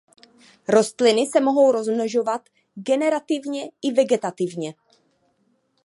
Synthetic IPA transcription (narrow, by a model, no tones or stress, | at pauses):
ɾo̞st̪lɪnɪsɛmo̞ɦo̞wɾo̞zmnoʒo̞vat̪ | ɡɛnɛɾat̪ɪvɲɛʔɪvɛɡɛt̪at̪ɪvɲɛ